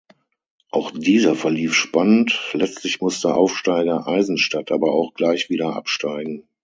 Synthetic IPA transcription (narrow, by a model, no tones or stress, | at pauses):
ʔaʊxd̥iːzɐfɛɐliːfʃpanəntlɛt͡stʰlɪçmʊstəʔaʊfʃtaɪɡɐʔaɪzn̩ʃtatʰʔaːbɐaʊxɡ̥laɪçv̥iːɾɐʔa̰pʃtaɪɡŋ̩